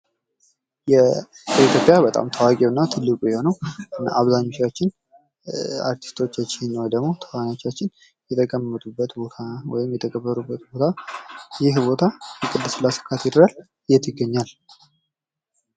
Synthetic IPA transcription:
jɛ | it̪jo̞pʼjabət̪ʼa̰mt̪ʰawakʼiwɨnːat̪ʰɨlːɨkʼujɛho̞nəwɨnaʔaβzaɲːo̞t͡ʃːat͡ʃːɪn | a̰ɾt̪ʰi̥st̪ʰo̞t͡ʃːat͡ʃːɪnːəwjd̪əɡmo̞t̪ʰə̥kanot͡ʃːat͡ʃːɪn | jɛt̪ʰəkʼəmːət̪ʼubːət̪bo̞t̪ʰawɔjɪmjɛt̪ʰəkʼəbːəɾubːət̪̚bo̞t̪ʰajɪhbo̞t̪ʰajɛkʼɨd̪ːɨslasə̥kʰːat̪jɪd̪ɾal | ɨjːɛt̪jɪɡːəɲːal

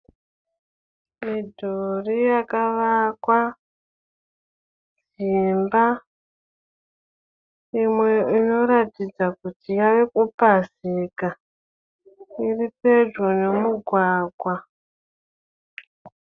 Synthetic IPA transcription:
midʱorijakaʋakwa | d͡zimba | imwe̞ino̞ɾatid͡zakutijaʋe̞kupasika | iripe̞d͡ʒone̞muɡʱwaːɡʱwa

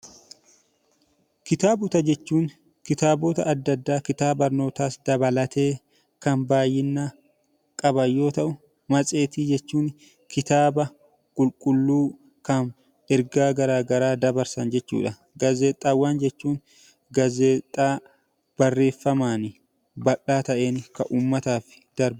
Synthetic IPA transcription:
kɪt̪aːbʊt̪ɐd͡ʒɛt͡ʃːuːŋ | kɪt̪aːboːt̪ɐːd̪ːɐd̪ːaːkɪt̪aːbɐɾno̞ːt̪aːsd̪ɐbɐlɐt̪e̞ː | kɐnbaːjːɪnːa | kʼɐbɐjːo̞ːt̪ɐʔʊ | mɐsʼe̞ːt̪iːd͡ʒɛt͡ʃːuːn | kɪt̪aːbɐ | kʼʊlkʼʊlːuː | kɐn | ɛɾɡaːɡɐɾaːɡɐɾaːd̪ɐbɐɾsɐnd͡ʒɛt͡ʃːṵːᶑɐ | ɡɐzeːt̪ʼːaːwːaːnd͡ʒɛt͡ʃːuːn | ɡɐzeːt̪ʼːaː | b̥ɐrːe̞ːfːɐmaːnɪ | bɐᶑaːt̪ɐʔe̞ːnkɐʔuːmːɐt̪aːfɪ̥ | d̪̥ɐɾb

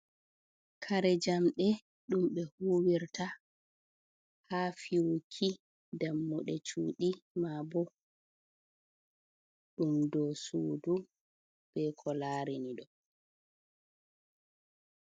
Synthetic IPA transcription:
kʰaɾɛd͡ʒamɗɛ | ɗumɓɛhuːwiɾta | haːfiwukʰi | damːuɗɛ̰t͡ʃṵːɗimabɔ | ɗumdɔsṵːdu | b̥ɛkʰɔlaːɾiniɗɔ

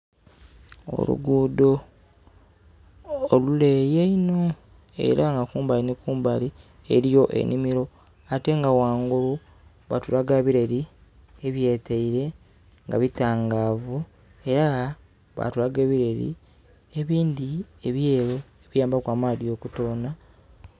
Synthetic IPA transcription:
o̰lṵɡuːdo̞ | lulejeino̞ | e̞̰ɾaŋɡakuːmbalinikuːmbali | e̞ɾijo̞ʔe̞̰nimiɾo̞ | ate̞ŋɡawaːŋɡulu | βatuɾaɡaːβiɾeɾi | eβje̞ːtʰeiɾe̞ | ŋɡa̰βitaːŋɡavu | e̞ɾa | βa̰tuɾaɡe̞ːβiɾe̞ɾḭ | e̞βiːndieβjeːɾo | eβijaːmbakwaːmadio̞kutoːna

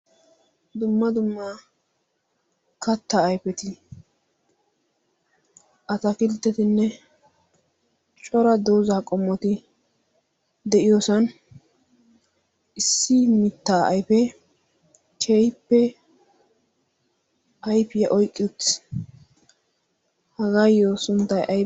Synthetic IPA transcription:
d̪ʊmːɐd̪ʊmːa | kɐt̪ːaːjpɛt̪ɪ | ʔɐt̪ɐkɪlt̪ːɛt̪ɪnːɛ | t͡ʃʼɔɾɐd̪o̞ːzaːkʼɔmːɔt̪ɪ | d̪ɛʔɪjoːsɐn | ɪsːɪmɪt̪ːaːʔɐ̰jpɛ | kʰejpːɛ | ɐjpɪjɐʔɔjkʼːɪt | hɐɡaːjoːsʊnt̪ːɐjʔɐj

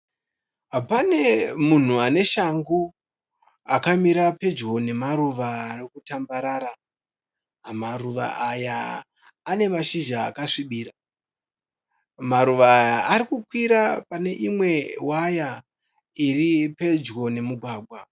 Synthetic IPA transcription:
ɦapane̞mun̤uane̞ʃaŋɡu | akamiɾape̞d͡ʒɡo̞ne̞maɾuʋaːrikutambaɾaːɾa | ɦmaruʋa̰ʔajaː | ne̞maʃiʒaːkaʂiɓiːɾa | maɾuʋaːjaːɾikukwiɾapane̞ʔimwe̞waja | iripe̞d͡ʒɡo̞ne̞muɡʱwaːbʱwa

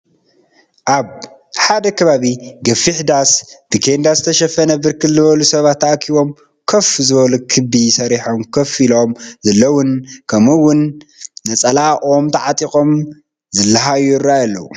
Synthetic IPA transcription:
ʔaβ | ħad̪ɐkʰɐβaβiɡɐfiħd̪asd̪̥ikʰend̪azɨt̪ʰɐʃɐfɐnɐbɨɾkʰɨlzɨβɐlusɐβat̪ʰːaʔkʰiβo̞m | kʰɐfzɨβɐlukʰɨbisɐɾiħomkʰɐfilo̞mzɐlːɐwʊnkʰɐmɨwʊnːɐt͡sʼɐlaʔo̞mt̪ʰɐʕat̪ʼixʼo̞m | zɨlːɐɦajurajalːɐ̰wu

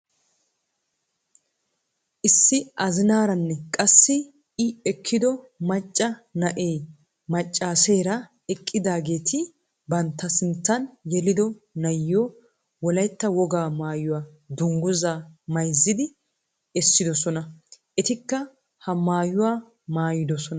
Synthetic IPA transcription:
ʔɪsːɪʔɐzɪnaːɾɐnːɛkʼɐsːɪ | ɪɛkʰːɪd̪ɔmɐt͡ʃʼːɐnɐʔeː | mɐt͡ʃʼːaːseːɾɐ | ɛkʼːɪd̪aːɡe̞ːt̪ʰɪ | bɐnt̪ːɐsɪnt̪ːɐnjɛlɪd̪ɔnɐjːoː | wɔlɐjt̪ːɐwɔɡaːmaːjʊwaː | d̪ʊŋɡʊzamɐjzːɪd̪ɪ | ɛsːɪd̪ɔsɔnɐʔɛt̪ɪkːɐ | hɐmaːjʊwaː | maːjɪd̪ɔsɔn

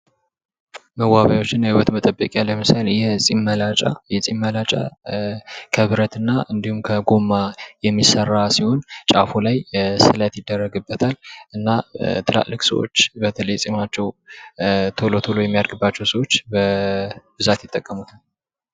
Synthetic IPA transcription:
məwːaβjawo̞t͡ʃːɪnːahɪwət̪mət̪ʼəbːəkʼjalːəmɨsaljɛsʼimːəlat͡ʃʼa̰jɛsʼimːəlat͡ʃʼa̰ | kʰəβɨɾət̪ɨnːaʔɨnd̪ihumkʰəɡo̞mːajɛmːisərːasiho̞nt͡ʃʼafulajsɨlət̪jɪd̪ːərːəɡɨbːət̪ʰalʔɨnːat̪ʰɨla̰ʔlːɨkʼsə̰wo̰t͡ʃːbət̪ʰələjɛsʼimat͡ʃːɛw | t̪ʰolot̪ʰulojɛmːijad̪ɡɨbːat͡ʃːɛwsəwo̞t͡ʃːbəbɨzat̪jɪt̪ʼːəkʼːəmut̪ʰal

